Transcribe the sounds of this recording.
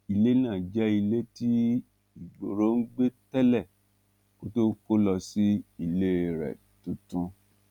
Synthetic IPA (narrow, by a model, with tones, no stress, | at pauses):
i˧le˦nãː˦˨d͡ʒɛ˦i˧le˦ti˦ | i˨ɡ͡bo˨ɾo˨˦n̩˦ɡ͡be˦tɛ˦lɛ˦˨ | ko˨˦to˦ko˦lɔ˧si˦i˧le˦ɾɛ̰˨ | tũ˧tũ˦